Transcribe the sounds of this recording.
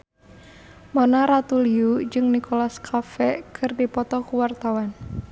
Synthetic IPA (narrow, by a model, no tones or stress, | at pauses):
mɔnaɾat̪uliud͡ʒɨŋnikolaskʰafɛkʰɨrdipɔt̪ɔkuwart̪awan